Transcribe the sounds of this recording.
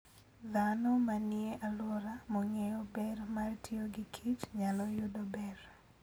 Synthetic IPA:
d̪anɔmanɪeʔalwɔɾamɔŋejɔbɛrmartʰioɡɪkʰit͡ʃɲalɔjʊdobɛɾ

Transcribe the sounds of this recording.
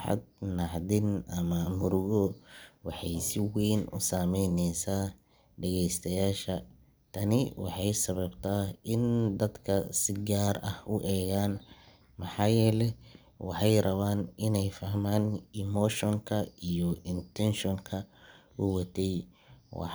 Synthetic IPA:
ħɑ̰d̪̚nɑħd̪ɪnʔɐmɐmʊɾʊɣɔwɑħɑjsɪwɛjnʔʊ̰saːmɛjnɛjsaː | ɖɛɣɛjst̪ʰɐjaːʃɐ | t̪ʰɐnɪwɑ̰ħɑjsɐβɐbt̪ʰaːɪnd̪ɐd̪kʰɐsɪɡaːrɐhʊʔɛːɣaːn | mɑħɑːjɛːlɛ | wɑħɑjrɐβaːnɪnɛjfɐhmaːnɪmɔːʃɔŋkʰɐijɔʔɪnt̪ʰɛnʃɔŋkʰɐʊwɐt̪ʰɛj | wɑ̰

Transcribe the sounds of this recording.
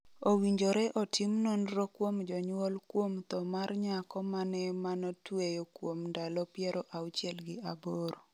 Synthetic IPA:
owiɲd͡ʒoɾɛʔɔtʰimnɔnrokwomd͡ʒɔɲwolkwomt̪ɔmarɲakɔmanɛmanɔtwejokwomndalɔpjɛɾɔʔawt͡ʃɪɛlɡɪaboɾo

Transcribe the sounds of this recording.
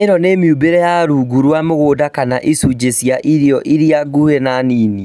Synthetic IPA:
eɾɔnemiubeɾɛjaɾuɡuɾwamoɣoːdakanaʔisud͡ʑesjaʔiɾijɔʔiɾiaɡuhenaniːni

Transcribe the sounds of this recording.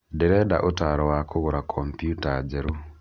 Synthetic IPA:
dɛɾɛdaʔotaɾɔwakʰoɣoɾakʰɔmpjutad͡ʒɛɾo

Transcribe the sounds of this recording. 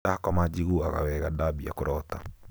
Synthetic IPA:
akɔmad͡ʒiɣuaɣa̰wɛɣadabia̰koɾɔta

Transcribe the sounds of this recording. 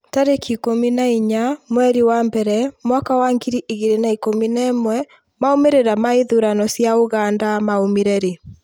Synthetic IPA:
taɾekʰikominaiɲamwɛɾiwambɛɾɛmwakawaŋɡiɾiʔiɣeɾenaikominɛmwɛ | maomeɾeɾamaeðuɾanɔsjaoɣandamaomeɾɛɾe

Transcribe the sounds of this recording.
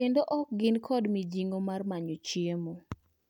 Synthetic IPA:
endoʔɔk̚ɡɪnkʰɔdmid͡ʒiŋomarmaɲot͡ʃiemo

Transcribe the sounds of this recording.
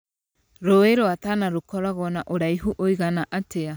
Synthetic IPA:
ɾoeɾoatanaɾokɔɾaɣɔnaʔoɾaiɦuʔoiɣanaʔatea

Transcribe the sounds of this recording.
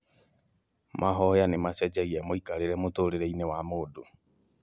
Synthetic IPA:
mʔaɦɔjanemasɛd͡ʒɛiɛmoikaɾeɾɛmotoɾeɾeinewamodo

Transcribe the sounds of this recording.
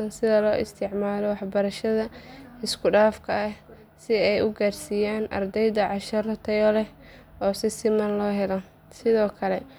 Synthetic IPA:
ɐnsɪðɐlɔːʔɪ̰st̪ʰɪʕmaːlɔwɑħbɐɾɐʃɐðɐɪskʰʊɖaːfkʰɐɐ | sɪɛjʊɡaːrsijaːnʔɐ̰rd̪ɛjðɐʕɑʃɐrɔt̪ʰɛjɔlɛ | ɔːsɪsɪmɐnlɔːɦɛlɔ | sɪðɔːkʰɐlɛ

